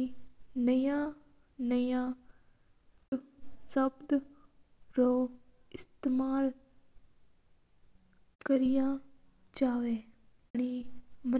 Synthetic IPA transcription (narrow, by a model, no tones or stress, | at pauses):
inɐjã | nɐjã | ssɐbd̪ | ɾoː | ɪst̪eːmaːl | kɐɾijã | t͡ʃaːʋeː | ɽ̃imɐ